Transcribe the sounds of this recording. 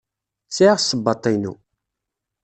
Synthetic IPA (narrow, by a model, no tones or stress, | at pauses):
t͡sːaʕʁsəbːɑt̪ˤːinṵ